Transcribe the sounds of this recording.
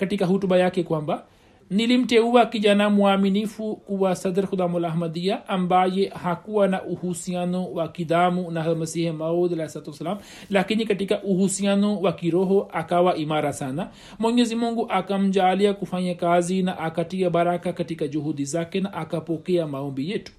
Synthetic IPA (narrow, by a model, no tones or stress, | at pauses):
kɐtikaɦutubajakekwamba | nilim̩teuwakid͡ʒanamuaminifukuwasɐd̪ɾxud̪amulaɦmad̪iaʔːmbajehakuwanaʔuhusianowakid̪amunaɦamɐsihɛmaod̪alahisalat̪uwɐsɐlam | lakinikatikaʔuhusianɔwakiɾɔɦɔʔakawaʔimaɾasana | mwɛɲɛzimuŋɡuʔakam̩d͡ʒaliakufaɲakazinaʔakatiaɓaɾakakatikad͡ʒuhudizakɛnaʔakapɔkɛamaɔmbijɛtu̥